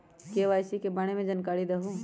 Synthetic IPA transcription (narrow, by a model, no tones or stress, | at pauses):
keʋaːjsikebɐɽ̃emẽd͡ʒɐnkaːɾid̪ɐɦũ